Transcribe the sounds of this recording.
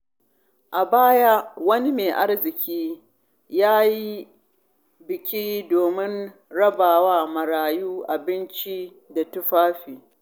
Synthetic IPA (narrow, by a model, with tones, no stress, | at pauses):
ʔa˨baː˦ja˦wɐ˦ni˦meː˨ʔa˦rzɪ˨kʲiː˦ | jaː˦ji˦ | bɪ˨kʲiː˦doː˨mɪ˦n | ɽɐ˦baː˨waː˦mɐ˨ɽaː˨juː˦ʔa˨bɪ˦nt͡ʃi˦ | da˨tʊ˦ɸaː˦ɸiː˨